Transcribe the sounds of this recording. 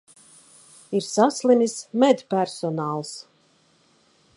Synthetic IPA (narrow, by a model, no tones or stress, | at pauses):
iɾsaslˠinʲismɛd̪ʲpæɾsɔnaːlˠs